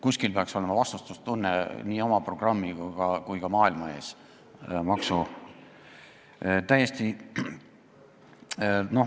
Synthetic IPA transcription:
kusʲkilpeɑkso̞le̞mɑvɑst̪ust̪ust̪unːeniːo̞mɑpro̞ɡ̥rɑmːiɡkɑkujkɑmɑːilmɑe̞ːs | mɑksu | t̪æje̞st̪i | no̞

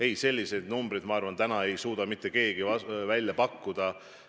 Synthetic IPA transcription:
e̞jse̞lʲːise̞d̪numbɾid̪mɑɑrvɑnt̪ænɑe̞jsuːd̪̥ɑmit̪ːˑe̞ke̞ːɡ̥iɑvælʲːjɑpɑkːud̪̥ɑ

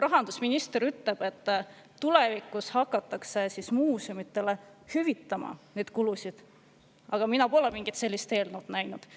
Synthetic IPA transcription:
rɑɦɑnd̪̥usminist̪eɾyt̪le̞b̥e̞t̪ˑː | ulevikˑːushɑkːˑɑt̪ːˑɑkse̞sismuːsomit̪ːˑe̞le | hyvit̪ːˑɑmɑ̰ned̪̥kulusid̪̥ | ɑɡ̥ɑminɑpo̞lemiŋɡ̥it̪se̞lʲːist̪e̞ːlnud̪̥næjnud̪̥

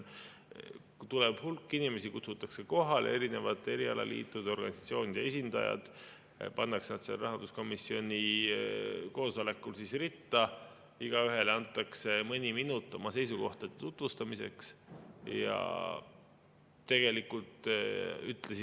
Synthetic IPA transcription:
t̪ulɛb̥hulkːinime̞sikut̪sut̪ːˑɑkse̞ko̞ɦɑle̞ɾine̞vɑt̪ːˑe̞ɾiɑlɑ̰lḭːt̪ːˑud̪eo̞rɡ̥ɑ̰nʲisɑ̥t̪sio̞ːnid̪̥eesind̪̥ɑ̰jɑ̰d̪̥ | pɑnːɑksnɑd̪̥serɑɦɑnd̪usko̞misːio̞nʲi | ko̞ːsole̞kːˑulsisrit̪ːˑɑ | iɡ̥ɑyɦe̞leɑnt̪ːˑɑkse̞mɤnʲiminut̪ːˑo̞̰mɑse̞jsuko̞ht̪ɑd̪̥et̪ut̪vust̪ɑmise̞̰ksjɑ̰ | t̪ːe̞ɡ̥e̞likːult̪yt̪ːˑlesi

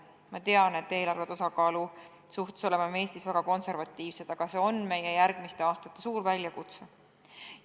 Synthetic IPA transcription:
mɑt̪e̞ɑne̞t̪ːe̞ːlɑrvet̪ɑsɑkɑːlu | suht̪u̥so̞le̞mɑme̞ːst̪isvæɡ̥ɑko̞nse̞rɾvɑt̪ːˑiːvse̞d̪̥ɑɡ̥ɑse̞o̞nme̞jejæɾɡ̥mist̪eɑːst̪ɑt̪ˑːe̞suːɾvælʲjɑkut̪se

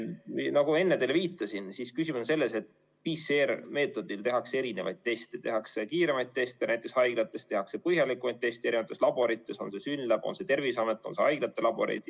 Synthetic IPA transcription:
inɑɡ̥ue̞nːed̪elviːt̪ːˑɑsinsiskysimunse̞lːe̞se̞t̪ː | piserme̞ːt̪ˑo̞d̪̥ilt̪e̞ɦɑksee̞ɾine̞vɑ̰jd̪̚t̪e̞st̪et̪e̞ɦɑkse̞kiːɾe̞mɑjt̪̚t̪ːe̞st̪jɑnæjt̪ːˑe̞ksɑjɡ̥lɑt̪ːˑe̞st̪e̞ɦɑkse̞pɤhjɑlikˑumɑjdt̪̚t̪ːe̞st̪eeɾivɑt̪ːˑe̞slɑb̥o̞ɾit̪ːˑe̞so̞nse̞synlːæb̥o̰nse̞t̪e̞rvisɑmet̪ːˑo̞nse̞ɑjɡ̥lɑt̪ˑːe̞lɑb̥o̞̰ɾḛjd̪̥

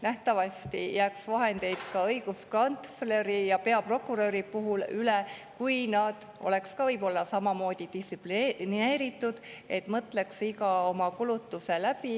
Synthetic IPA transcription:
næht̪ɑvɑsʲt̪ijæːksvɑɦe̞nd̪̥e̞jd̪̥kɑɤjɡ̥uskɑnt̪sle̞ɾijɑpe̞ɑpro̞kːˑuɾøːɾipuɦulylekujnɑd̪̥ | ʔo̞̰le̞kskɑvɤjbo̞lːɑsɑmɑmo̞ːd̪̥ʲid̪̥isiplinine̞ːɾit̪ːˑud̪̥ | e̞t̪ˑmɤt̪ːˑle̞ksikɑo̞mɑkulut̪ːuse̞læb̥i

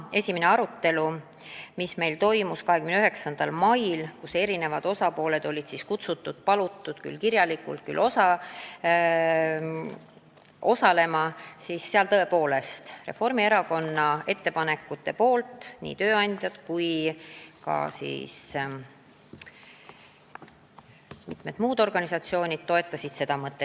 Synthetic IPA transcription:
e̞sʲimene̞ɑɾut̪ːe̞lu | misme̞jlt̪o̞jmuskɑɦe̞kymnyɦeksɑnd̪̥ɑlmɑjlkuse̞ɾine̞vɑd̪̥o̞sɑpo̞ːle̞d̪̥o̞lʲid̪̥siskut̪sut̪ːˑud̪̥̚pɑlut̪ːˑud̪̥ky̰lkirjɑlikṵlt̪̚ky̰lːʔo̞sɑ | ʔo̞sɑle̞mɑsiːsːeɑlt̪ɤ̞e̞po̞ːle̞st̪re̞̰fo̞rmie̞ɾɑko̞nːɑe̞t̪ːe̞pɑne̞kːˑut̪ːˑe̞po̞ːlt̪ˑnḭːt̪ø̞ːɑnʲd̪̥ʲjɑd̪̥kuj | kɑ̰sḭːs | mit̪med̪muːd̪̥o̞rɡ̥ɑnisɑt̪sio̞ːnʲid̪̥̚t̪ːo̞e̞t̪ːˑɑsid̪̥se̞d̪̥ɑmɤt̪ːˑe

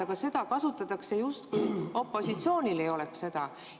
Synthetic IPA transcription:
ɑɡ̥ɑse̞d̪̥ɑkɑsut̪ːˑɑt̪ːˑɑkse̞just̪kujo̞pːˑo̞sit̪sio̞ːnʲile̞jo̞le̞ksse̞d̪̥ɑ

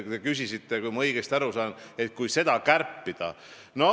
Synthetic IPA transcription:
t̪ekysisit̪ːˑekujmɑɤjɡ̥est̪æɾusɑːne̞t̪̚kujse̞d̪̥ɑkærpːid̪̥ɑ̰ | no

